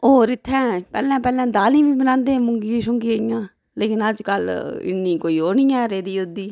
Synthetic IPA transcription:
oːɾɪt̪ʰːɛ̃ːpɛ̰ːlɛ̃ːpɛːlɛ̃ːd̪aːlĩːʋiːbənãːnd̪eːmʊŋɡiʃʊŋɡiːɪjãː | leːkɪnəd͡ʒkəlɪ̰nːĩːkoːiːoːɳiːãːɾeːd̪iːod̪iː

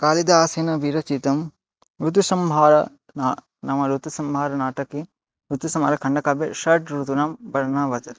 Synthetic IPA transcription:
kaːlid̪aaːseːnɐʋiːɾɐt͡ʃit̪ɐm | ɾut̪̬usɐmbʱaːɾɐ | naː | nɐmɐɾut̪usɐmbʱaːɾɐnaːʈɐkːe | ut̪usɐma̰ːɾɐkʰɐɳɖɐkaːbeʃɐʈɾut̪unaːmbɐɾɐnaːʋɐt̪ɐ

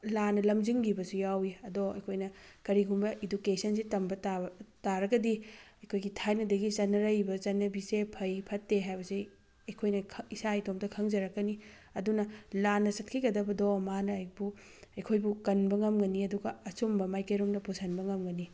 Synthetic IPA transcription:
lanɐlɐmd͡ʒiŋɡibɐsujawiɐdoɐ̰jkʰojnɐkɐɾiɡumbɐʔidukesɐnsitɐmbɐtataɾɐɡɐdiɐjkʰojɡitʰajnɐdɐɡit͡ʃɐnːɐɾɐjbɐt͡ʃɐnːɐbisepʰɐjpʰɐtːeɦajbɐsi | ɐjkʰojnɐkʰisaitomtɐkʰɐŋzɐɾɐkːɐni | ɐdunɐlanɐsɐt̚kʰiɡɐdɐbɐdomanɐːjk̚bu | ɐjkʰojbukɐnbɐŋɐmɡɐniɐduɡɐɐsumbɐmajkɐjɾumdɐpusʰɐnbɐŋɐmɡɐni

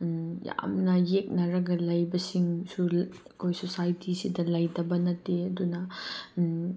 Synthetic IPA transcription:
ja̰mnɐjek̚nɐɾɐɡɐlɐjbɐsiŋsu | kʰojsosajtʰisidɐlɐjdɐbɐnɐteɐdunɐ

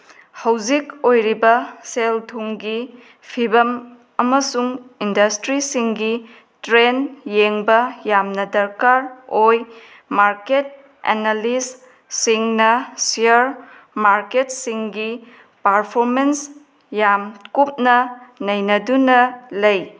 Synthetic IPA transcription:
hɐwzikojɾibɐseltʰuŋɡi | pʰibɐm | ɐmɐsuŋindɐstɾisiŋɡi | tɾenjeŋbɐjamnɐdɐɾkaɾoj | maɾket̚ | ḛnalis | siŋnɐsiɐɾ | maɾket̚siŋɡi | paɾpʰoɾmens | jamkup̚nɐnɐjnɐdunɐlɐj

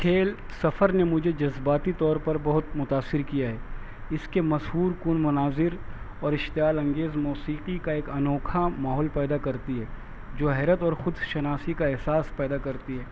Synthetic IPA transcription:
kʰeːl | sɐfəɾnemʊd͡ʒʱed͡ʒɐzbaːt̪it̪ɔːɾpɐɾbɐɦʊt̪mʊt̪aːsːɪɾkijaɦɛː | ɪskemɐsɦuːɾkuːnmʊnaːzɪɾ | ɔːɾɪʃt̪ɪjaːlɐ̃ŋɡeːzmuːsiːqikaeːkɐnɔːkʰamaːɦɔːlpɛːd̪akɐɾt̪iɦɛː | d͡ʒoːɦɛːɾət̪ɔːɾxʊd̪ʃɐnaːsikaɛɦsaːspɛːd̪akɐɾt̪iɦɛː

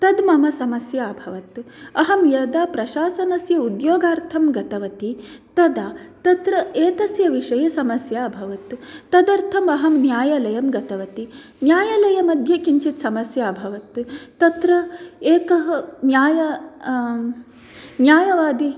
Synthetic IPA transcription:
t̪ɐd̪mɐmɐsɐmɐsjaːbʱɐʋɐt̪ɐɦɐmjɐd̪aːpɾɐʃaːsɐnɐsjɐud̪joːɡaːɾt̪ʰɐmɡɐt̪ɐʋɐt̪it̪ɐd̪aːt̪ɐt̪ɾɐeːt̪ɐsjɐʋiʂɐjɐsɐmɐsjaːbʱɐʋɐt̪ut̪ɐd̪ɐɾt̪ʰɐmɐɦɐmnjaːjɐlɐjɐmɡɐt̪ɐʋɐt̪i | njaːjɐlɐjɐmɐd̪ʱjɐkiɲt͡ʃit̪sɐmɐsjaːbʱɐʋɐt̪t̪ɐt̪ɾɐeːkɐɦɐnjaːjɐ | njaːjɐʋaːd̪i

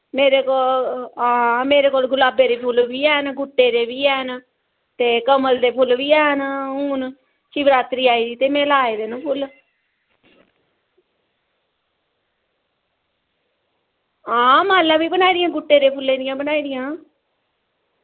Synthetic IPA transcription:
meːɾeːkoːlãːmeːɾeːkoːlɡʊlaːbeːɾeːpʰʊlʋiːɛːnɡʊʈːeːɾeːbiːɛːn | t̪eːkəməld̪eːpʰʊlʋiːɛːɦnʊːn | t͡ʃiːʋɾaːt̪ɾiːaːiːd̪iːt̪eːmɛ̃ːlaːeːd̪enəpʰʊl | ãːmaːlːãːbiːbənaːid̪ɪjãːɡʊʈːeːɾeːpʰʊlːeːɾɪjãːbənaːiːd̪ɪjãː

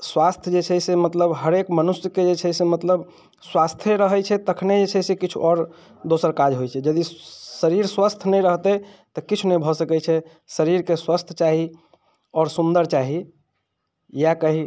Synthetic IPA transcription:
swast̪ʰjəd͡ʒet͡ʃʰɛsemət̪ləbɦəɾekmənusjəked͡ʒet͡ʃʰɛjsemət̪ləb | swast̪ʰjəɾəɦɛt͡ʃʰɛt̪əkʰned͡ʒet͡ʃʰɛsekit͡ʃʰṵʔɔɾ | d̪osəɾkad͡ʒɦojt͡ʃʰɛd͡ʒəd̪isəɾiɾswast̪ʰnɛjɾəɦt̪ɛt̪ɔkit͡ʃʰunɛbʱɔsəkɛt͡ʃʰɛ | səɾiɾkeswast̪ʰət͡ʃaɦi | ɔɾsund̪əɾt͡ʃaɦi | jakəɦi

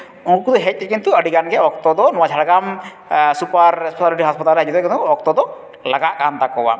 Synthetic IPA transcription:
ɔ̃ŋkukud̪ɔɦɛc̚ˀt̪ɛkint̪uəɽiɡanɡɛɔk̚t̪ɔd̪ɔnɔwad͡ʒʰaɽɡam | supaɾspɛt̪aliʈiɦɔspat̪alɾɛɦad͡ʒud̪ɛkint̪uɔk̚t̪ɔd̪ɔ | laɡaʔkant̪akɔwa̰

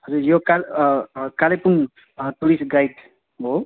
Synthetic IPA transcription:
ɦʌd͡zuɾjokalkalepuŋ | t̪uɽisɡajt̪ | ɦo

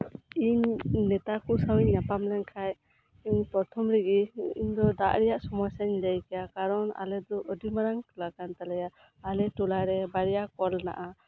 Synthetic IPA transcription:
iɲnɛt̪akusawiɲːapamlɛnkʰaj | iɲpɔɾt̪ʰɔmɾiɡiiɲd̪ɔd̪aʔɾɛjaʔsɔmɔjsaɲləjkɛjakaɾɔna̰lɛd̪ɔʔədimaɾaŋt̪ulakant̪alɛjaː | lɛʈulaɾɛbaɾɛjakɔlna̰ʔa

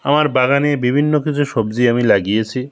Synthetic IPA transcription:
amaɾbaɡanebibʱinːokit͡ɕʰuʃobd͡ʑiamilaɡijet͡ɕʰi

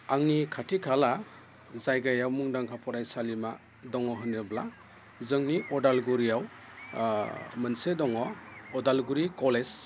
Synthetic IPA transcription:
aŋnikʰatʰikʰala | zajɡajawmuŋdaŋkʰapʰɔɾajsalima | dɔŋɔɦɯnːɯbla | zɯŋniʔɔdalɡuɾijaw | mɯnsedɔŋɔɔdalɡuɾikɔles

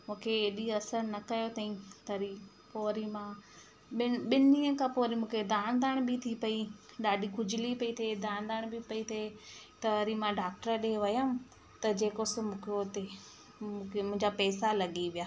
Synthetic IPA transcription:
mũːkʰeeːɗiɐsəɾnɐkɐjot̪ɐĩt̪ɐɾi | poːɾimã | ɓɪɓɪniːə̃kʰãpoːɾimũːkʰed̪aːnd̪aːɽ̃bɪt̪ʰipɐiɗaːɗiɡʊd͡ʑɪlipɐit̪ʰed̪aːñd̪aːɽ̃bipɐit̪ʰet̪ɐɐɾimãɖaːk̚ʈəɾɗeʋɐjəm | t̪ɐd͡ʑeːkosmũkʰot̪ẽ | kʰemʊ̃ɦɪ̃ɲd͡ʑapɛːsalɐɠiʋijaː

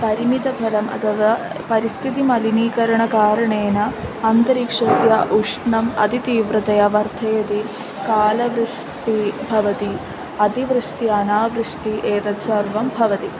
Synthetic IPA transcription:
pɐɾimid̪ɐbʱɐlɐmʔɐ̰t̪ʰɐʋɐpɐɾist̪ʰit̪imɐliniːkɐɾɐɳɐkaːɾɐɳeːnɐɐnt̪ɐɾikʂɐsjaʔuʂɳɐmɐ̰d̪it̪iːʋɾɐt̪ɐjɐʋɐrt̪ʰɐjɐt̪i | kaːlɐʋɾɨʂ | ʈibʱɐʋɐt̪i | ɐd̪iʋɾɨʂʈiɐnaːʋɾɨʂʈiʔeːt̪ɐt̪sɐrʋɐmbʱɐʋɐt̪i

